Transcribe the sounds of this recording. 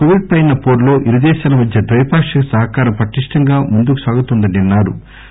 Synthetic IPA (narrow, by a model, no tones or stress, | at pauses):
koʋiʈ̚pɐjnɐpo̞ːɾlo̞ːʔiɾud̪ɛːʃaːlɐmɐd̪ʱjɐd̪ɾɐjpaːkʂɐkɐsɐɦɐkaːɾɐmpɐʈiʂʈɐŋɡaːmund̪ukusaːɡut̪und̪ɐninːaːɾṵ